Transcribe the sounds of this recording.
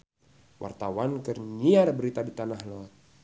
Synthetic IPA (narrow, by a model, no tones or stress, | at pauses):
wa̰rt̪awankərɲiaɾbəɾit̪adit̪anahloat̪̚